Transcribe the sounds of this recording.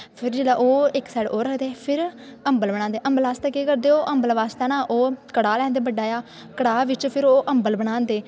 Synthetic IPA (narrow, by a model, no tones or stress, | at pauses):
pʰɪɾd͡ʒeːlaːʔoːɪksaːɽoːɾəkʰd̪eːpʰɪɾə̃mbəlbəɽãːnd̪eːʔəmbəlaːst̪eːkiːkəɾd̪eːoːʔəmbəlʋaːst̪eːnãːʔoːkəɽaːlɛ̃ːnd̪eːbəɖːaːjaː | kəɽaːʋɪt͡ʃpʰɪɾoːʔəmbəlbəɽ̃ãːnd̪eː